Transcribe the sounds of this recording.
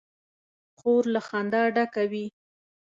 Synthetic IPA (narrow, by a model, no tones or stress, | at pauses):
xoɾlaxɑnd̪ɑɖakawi